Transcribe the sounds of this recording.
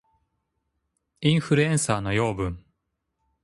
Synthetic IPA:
ĩɰ̃ɸɯ̟ɾɯ̟ẽñsaːno̞jo̞ːbɯ̟̃ŋ

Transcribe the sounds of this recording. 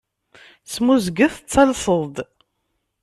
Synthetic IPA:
smuzɡəθt͡sːɑlsəðˤd̪

